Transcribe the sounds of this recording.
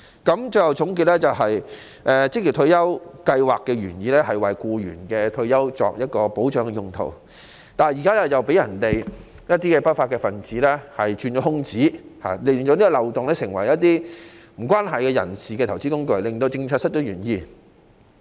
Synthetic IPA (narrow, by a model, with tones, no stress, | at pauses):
kɐ˨˥mt͡ʃɵ˧jhɐ˨˧wt͡sʰʊ˨˥ŋk̬iː˧t̚lɛ˥t͡sɐ˨wɦɐ˨j | ʔɛ˧t͡sɪ˥k̚li˨˩t̪ʰɵ˧jɐ˥wkɐ˧jwaː˨kːɛː˧ɥyː˨˩njiː˨˧lɛ˥hɐ˨˩jwɐ˨jkuː˧ɥy̰ː˨˩nkɛː˧t̪ʰɵ˧ɥjɐ˥wt͡ʃɔ̰ː˨k̚jɐ˥t̚kɔː˧po˨˥wt͡ʃœː˨˥ŋkɛ˧jʊ˧ŋt̪ʰo̰˨˩w | t̪aː˨jiː˨kaː˥ɛ˥t͡sɐ˨wpe˨˥jɐ˨˩nt̪e˨j | jɐ˥t̚t̪iː˥kɛː˧pɐ˥t̚faː˧t̚kɛː˧fɐ˨˩nt͡siː˨˥lɛ˥hɐ˨jt͡ʃyː˧nɔ˨˥hʊ˥ŋt͡siː˨˥ha̰ː˨˩le˨˧˨t͡ʃɔː˨˥niː˥ɡɔ˧lɐ˨wt̪ʊ˨ŋlɛː˥sɪ˨˩ŋwɐ̰˨˩jjɐ˥t̚t̪iː˥m̩˨˩kʷaː˥nɦɐ˨jkɛː˧jɐ̰˨˩nsiː˨kɛ˧˨˩wt͡siː˥kʊ˥ŋkɵ˧˩ɥlɪ˨ŋt̪o˧wt͡sɪ˧ŋt͡sʰœː˧t̚sɐ˥t̚t͡ʃɔ˨˧˥ɥyː˨˩njiː˨˧